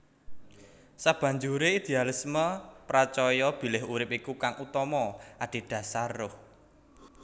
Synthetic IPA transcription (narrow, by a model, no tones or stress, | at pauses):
sab̥ä̤ɲd͡ʒuɾeid̪̥ealisməpɾat͡ʃɔjɔb̥i̤lɪɦuɾɪpikukaŋʔut̪ɔmɔʔaɖ̪̥e̤ɖ̪̥ä̤sarːʊh